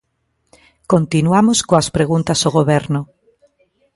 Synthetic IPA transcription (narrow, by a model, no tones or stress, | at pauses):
kont̪inwamoskoaspɾeɣ̞unt̪asoɣ̞oβeɾno